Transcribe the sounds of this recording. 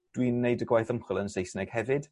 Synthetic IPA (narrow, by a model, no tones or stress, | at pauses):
d̥wiːnːejdəɡwajθəmχʊlˠənsejsnɛɡ̥hɛvɪd̥